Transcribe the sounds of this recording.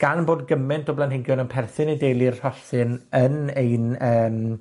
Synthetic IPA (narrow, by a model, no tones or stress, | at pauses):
ɡ̥anboːdɡəmɛntʰɔblanɦɪŋɡjɔnənpʰɛrθɨnejdejlˠir̥hɔɬɨnənejnəːm